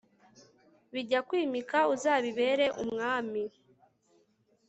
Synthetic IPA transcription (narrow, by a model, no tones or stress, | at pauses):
βiɟakwiːmikauzaːβiβe̞ːɾe̞ʔumŋaːmi